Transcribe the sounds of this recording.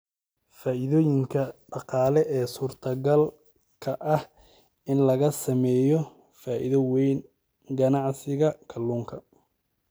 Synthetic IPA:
faːʔɪðɔːjɪŋkʰɐɖɑqɑːlɛʔɛːsuːrt̪ʰɐɡɐl | kʰɐʔɐh | ɪnlɐɣɐsɐmɛːjɔ | faːʔɪðɐwɛjn | ɡɐnɑʕsɪɣɐkʰɐlːuːŋkʰɐ

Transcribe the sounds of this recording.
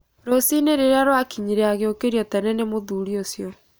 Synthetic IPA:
ɾosineɾeɾeaɾwakiɲiɾeaɣeokeɾiɔtɛnɛnemoðuːɾiosjɔ

